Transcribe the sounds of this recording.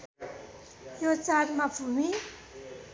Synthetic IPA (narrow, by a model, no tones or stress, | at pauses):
jot͡saɾmabʱumi